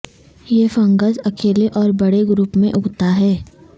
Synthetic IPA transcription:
jefə̃ŋɡəzɐkʰeːleʔɔːɾbɐɽeɡɾuːpmẽʔʊɡt̪aɦɛː

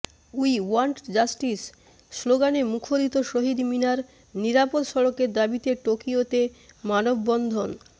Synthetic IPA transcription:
uiwaɳʈd͡ʑasʈisː | loɡanemukʰoɾit̪oʃoɦid̪minaɾ | niɾapod̪ʃɔɽokeɾd̪abit̪eʈokiot̪emanobːɔnd̪ʱon

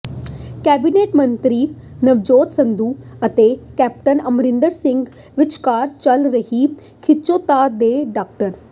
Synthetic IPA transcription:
kɛːbineːʈmɐ̃nt̪ɾiːnɐʋd͡ʒoːt̪sɐ̃nd̪uːɐt̪ekɛːp̚ʈənɐmɾɪ̃nd̪əɾsɪ̃ŋɡ | ʋɪt͡ʃkaːɾt͡ʃɐlɾɐɦi | kʰɪt͡ʃoːt̪aːd̪eːɖaːk̚ʈəɾ

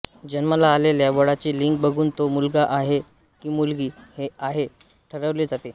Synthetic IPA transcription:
d͡ʑənməlaːleljabəɽat͡ɕiːliŋk̚bəɡʱuːnt̪omulɡaʔaɦe | kiːmulɡiːheaɦe | ʈʰəɾəʋled͡zat̪e

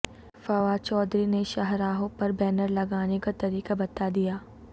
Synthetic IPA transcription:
fɐʋat͡ʃɔːd̪ɾineʃaɦɾaːɦõpɐɾbɛːnəɾlɐɡaːnekat̪ɐɾiːkabɐt̪ad̪ijaː

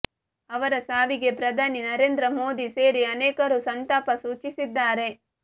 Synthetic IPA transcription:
ɐʋɐɾɐsaːʋiɡe̞pɾɐd̪ʱaːninɐɾeːnd̪ɾɐmoːd̪ise̞ːɾiɐneːkɐɾusɐnt̪aːpɐsuːt͡ʃisid̪ːaːɾe̞

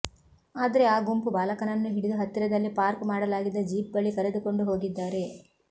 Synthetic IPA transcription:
aːd̪ɐɾe̞aːɡompubaːlɐkɐnɐnːuɦiɽid̪ɐɦɐt̪ːiɾɐd̪ɐlːipaːɾkmaːɽɐlaːɡid̪ːɐd͡ʒiːp̚ɡɐɭːikɐɾed̪uko̞ɳɖuɦo̞ːɡid̪ːaːɾe̞

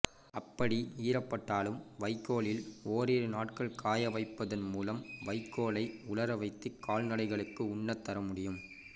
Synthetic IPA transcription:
ɐpːɐɽiiːɾɐpːɐʈːaːlɯmʋɐɪkːoːɭɪloːɾeːɾɯnaːʈkɐɭkʰaːjɐʋɐɪpːɐðɐnmuːlɐmʋɐɪkːoːɭɐɪʊɭɐɾɐʋɐɪt̪ːɪkːaːlnɐɽɐɪɣɐɭɯkːɯʊɳːɐt̪ːɐɾɐmʊɽɪjɯm

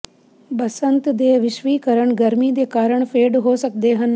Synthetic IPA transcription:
bəsənt̪d̪eːʋɪʃʋiːkəɾəɳɡəɾmiːd̪eːkaːɾəɳpʰeːɖɦoːsək̚d̪eːɦən

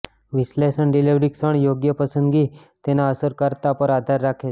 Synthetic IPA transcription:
ʋislesəɳɖiliʋɾiksəɳjoɡjəpəsənɡiː | t̪enaəsəɾkəɾt̪apəɾad̪ʱaɾːakʰe

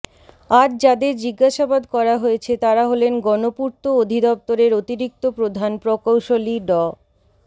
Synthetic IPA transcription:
aɾd͡ʑad̪eɾd͡ʑiɡːaʃabad̪kɔɾaɦojet͡ɕʰet̪aɾaɦolenɡɔnopuɾt̪ood̪ʱid̪ɔp̚t̪oɾeɾot̪iɾik̚t̪opɾod̪ʱanpɾokowʃoliɖɔ

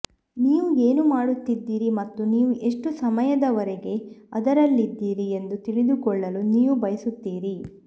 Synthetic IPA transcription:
niːʋue̞ːnumaːɽut̪ːid̪ːiːɾimɐt̪ːuniːʋuʔe̞ʂʈusɐmɐjɐd̪ɐʋɐɾɛɡe̞ɐd̪ɐɾɐlːid̪ːiːɾie̞nd̪ut̪iɭid̪ukɔɭːɐluniːʋubɐjɐsut̪ːiːɾi

